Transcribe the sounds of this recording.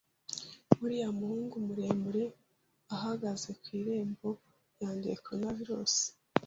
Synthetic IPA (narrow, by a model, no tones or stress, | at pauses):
muɾiːjamuhuːŋɡumuɾe̞ːmbuɾe̞ | aɦaɡaze̞kwiːɾe̞ːmbo̞ | jaːndekonaviɾosi̥